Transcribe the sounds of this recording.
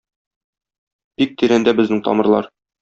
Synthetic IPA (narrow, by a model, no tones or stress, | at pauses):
b̥ik̚t̪iɾænd̪æbɘ̆znɘŋt̪ʰɒ̰mɤ̆ɾlˠɑ̰ɾ